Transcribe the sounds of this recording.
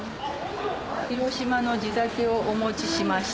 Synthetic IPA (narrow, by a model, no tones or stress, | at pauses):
çiɾo̞ɕimano̞d͡ʑizakeoʔomo̞t͡ɕiɕimaɕ